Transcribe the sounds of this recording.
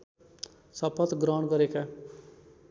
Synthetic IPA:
sʌpʰʌt̪ɡɾʌwɳɡʌɾeka

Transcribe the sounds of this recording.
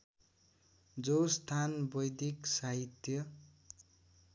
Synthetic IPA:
d͡zost̪ʰanbʌjd̪iksaɦit̪jʌ

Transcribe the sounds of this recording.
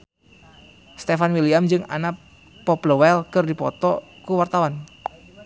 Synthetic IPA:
st̪efanwiliamd͡ʒɨŋa̰na | pɔpləwɛlkɨrdipɔ̰t̪ɔkuwart̪awan

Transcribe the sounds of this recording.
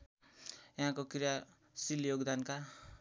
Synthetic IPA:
jaɦãkokrija | siljoɡd̪anka

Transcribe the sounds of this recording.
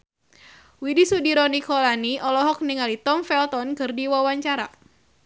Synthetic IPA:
widisudiɾɔnikɔlaniʔɔlɔɦɔk̚niŋalit̪ɔmfɛlt̪ɔnkɨrdiwawaɲt͡ʃaɾa̰

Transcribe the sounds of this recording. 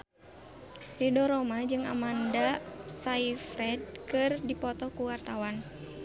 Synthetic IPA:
lidɔɾɔmad͡ʒɨŋa̰mandasaifɾɛd̚kɨrdipɔt̪ɔkuwart̪awan

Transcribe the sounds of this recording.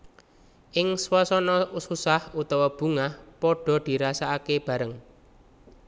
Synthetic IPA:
ʔɪŋswɔsɔnɔususahut̪ɔwɔb̥ṳŋahpɔɖ̥ɔ̤d̪̥i̤ɾasaakeb̥ä̤ɾəŋ

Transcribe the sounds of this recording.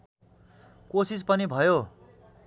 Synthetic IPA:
kosispʌnibʱʌjo

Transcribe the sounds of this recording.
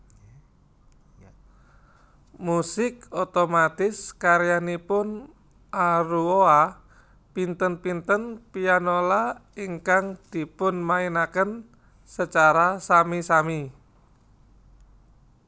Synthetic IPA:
musɪkot̪omat̪ɪskaɾjanipʊn | ʔaɾuoa | pint̪ənpint̪ənpianolaiŋkaŋd̪̥i̤pʊnmainakən | sət͡ʃaɾasamisami

